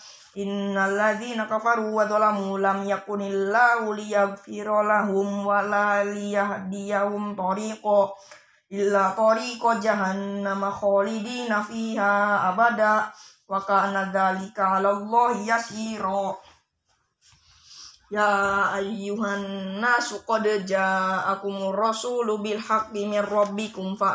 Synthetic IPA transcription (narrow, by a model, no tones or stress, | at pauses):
ʔinːalːaðiːnakafaɾuwaðɔlaɦulamjakunilːahulijaɣfiɾɔlaɦumwalalijaɦdijahumt̪ɔɾiːqɔ | ʔilːat̪ɔɾiːkɔd͡ʒaɦanːamaxɔlidiːnafiːɦaabada | wakaːnaðalikaalalˤːɑhijasiɾɔ | jaajːuɦanːasukɔdəd͡ʒaakumurˤːɔsulubilħak̚biminrˤɑbːikumfaʔ